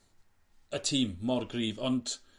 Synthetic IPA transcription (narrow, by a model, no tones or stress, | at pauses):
ətʰiːmːɔrɡriːvɔnd